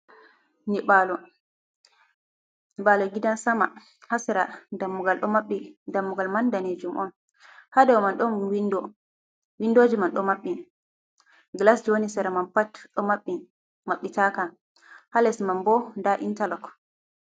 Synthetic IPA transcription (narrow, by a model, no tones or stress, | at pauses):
nibalɔ | niɓalɔɡidansama | hasɛɾadamːuɡalɗɔmaɓːidamːuɡalmandaned͡ʒumʔɔ̰n | hadɛwɔmanɗɔnwindɔ | windoːd͡ʒimanɗɔmaɓːi | ɡlasd͡ʒonisɛɾamanpatɗɔmaɓːi | maɓːitaka | halɛsmambɔndaʔḭntalɔk